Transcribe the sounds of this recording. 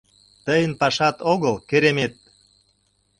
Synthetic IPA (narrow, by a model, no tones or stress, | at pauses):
t̪əjənpɑʃɑt̪oɣəlkeɾemet̪̚